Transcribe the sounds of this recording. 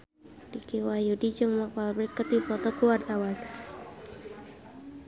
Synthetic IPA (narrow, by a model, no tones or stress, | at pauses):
dikiwajudid͡ʒɔŋmapalbɾɛkːərdipɔt̪ɔkuart̪awan